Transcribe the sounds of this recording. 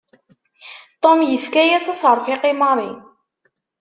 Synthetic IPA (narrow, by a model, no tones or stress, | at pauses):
t̪ˤomjəfkæjæsæsəɾˤfɪqɪmɑɾˤḭ